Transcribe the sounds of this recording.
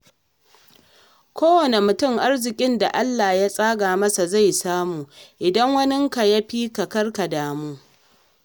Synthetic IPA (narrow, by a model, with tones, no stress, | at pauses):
kʷoː˦wɐ˨ne˨mʊ˨tʊ˦˨ŋʔa˦rzɪ˨kʲʼɪ˦nda˨ʔa˦lːaː˨ja˦sʼaː˦ɡaː˨mɐ˦sa˨za˦˨jsaː˦muː˨ʔɪ˨dɐ˦ŋwɐ˦nɪ˦ŋka˨ja˦ɸiː˦kɐ˨kɐ˦rka˨daː˨muː˦